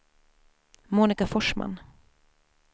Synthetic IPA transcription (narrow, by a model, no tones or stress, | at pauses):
muːnɪkafɔʂma̰n